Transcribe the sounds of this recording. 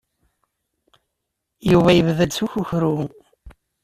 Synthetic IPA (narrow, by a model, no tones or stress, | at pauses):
juvæjəvðæd̪suçuçɾu